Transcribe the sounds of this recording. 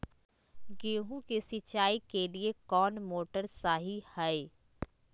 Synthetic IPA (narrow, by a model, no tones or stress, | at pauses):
ɡeːɦũkisɪt͡ʃaːikeliekɔːnmoːʈəɾsaːɦihɛe